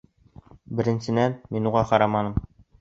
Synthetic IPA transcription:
bɘ̆ɾɘ̆nsɘ̆nænminuʁɑqɑɾɑmɑnɤm

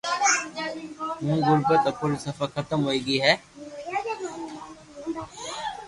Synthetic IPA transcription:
mũːɣʊɾbət̪əkolsɐfəxɐt̪əmɦoːiːɡiːɦɛː

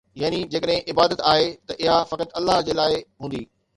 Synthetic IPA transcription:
jaːnid͡ʑeːkəɗɦɪ̃ʔɪbaːd̪ət̪aːɦet̪ɐʔɪɦafɐkət̪ɐlːaɦd͡ʑeːlaːɪɦũːnd̪iː

